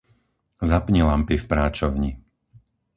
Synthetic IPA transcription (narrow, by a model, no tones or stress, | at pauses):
zapɲilampifpɾaːt͡ʃɔʊɲi